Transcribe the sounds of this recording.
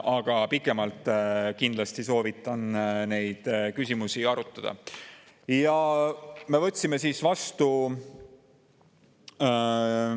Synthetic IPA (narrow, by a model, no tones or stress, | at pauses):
ɑɡ̥ɑpikːˑe̞mɑlt̪ːˑkind̪̥lɑst̪iso̞ːvit̪ːˑɑnne̞jd̪̥kysʲimusiɑɾut̪ˑːɑd̪̥ɑ̰ | jɑ | me̞vɤ̞t̪ʲːsime̞siːsvɑst̪u